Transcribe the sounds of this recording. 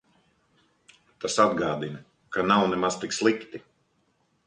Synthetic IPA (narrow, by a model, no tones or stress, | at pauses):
t̪asad̪ɡaːd̪inɐ | kanawnɛmaz̥t̪ikslˠikt̪i